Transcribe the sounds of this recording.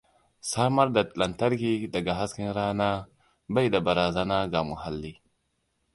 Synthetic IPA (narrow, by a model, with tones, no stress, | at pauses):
sa˦ma˦ɾda˨tla˨nta˦ɾɡi˦da˨ɡa˨ɦa˦ski˦nɾa˦na˦ | ba˦jda˨ba˨ɾa˨za˦na˦ɡa˨mu˨ɦa˨lːi˦